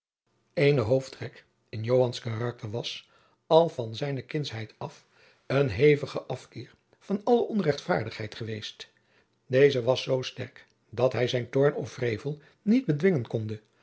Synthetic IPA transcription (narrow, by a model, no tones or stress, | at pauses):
ejnəɦowftrɛk | ɪnjowɦɑnskarɑk̚təɹʋɑs | ɑlˠvɑnzɛjnəkɪnsɦɛjtɑf | ənɦejvəχəʔɑfkɪːɹ | v̥ɑnɑləʔɔnrɛχtfa̰ːɹdəχɦɛjtχəʋejst | dejzəʋɑsːowstɛ̰ɹk | dɑtɦɛjzɛjntɔɹnɔfrejvəlˠ | nid̚bədʋɪŋənkɔndə